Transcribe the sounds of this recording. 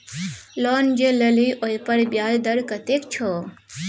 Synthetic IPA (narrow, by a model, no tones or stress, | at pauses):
lɔnd͡ʒeləliʔojpəɾbjaːld̪əɾkət̪ekt͡ʃʰoː